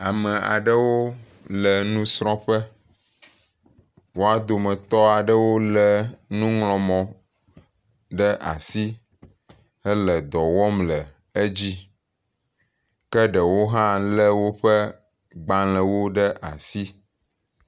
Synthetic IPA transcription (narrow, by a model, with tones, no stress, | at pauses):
a˨mɛ̃˨a̰˨ɖə˦wo˦ | lɛ˨nũ˦sɾɔ̃˦ɸə˦ | wo˦a˨d̪o˨mɛ̃˨t̪ɔ˦a˨ɖə˦wo˦lɛ˨nũ˦ŋlɔ̃˨mɔ̃˨ | ɖə˦ʔa̰˨si˦ | ɛ˦lə˨d̪ɔ˨wɔ˦mlə˨ | e˦d͡ʑi˦ | kɛ˦ɖə˨wo˦ɦã˦lɛ˦wo˦ɸɛ˦ | ɡ͡ba˦l̃ɛ̃˨wo˦ɖə˦ʔa˨si˦